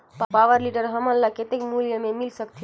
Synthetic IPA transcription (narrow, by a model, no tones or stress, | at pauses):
ppaʋəɾliɖəɾɦəmənlaket̪ekmuljəmemilsəkt̪ʰi